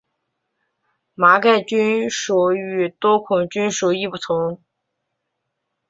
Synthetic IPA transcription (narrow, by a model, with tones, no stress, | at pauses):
ma˧˥ka˥˩ɪt͡ɕy˥nʂu˨˩y˨˩t̪wɔ˥kʰʊ˨˩ŋt͡ɕy˥nʂu˨˧˩i˥˩pu˥˩t̪ʰʊ˧˥ŋ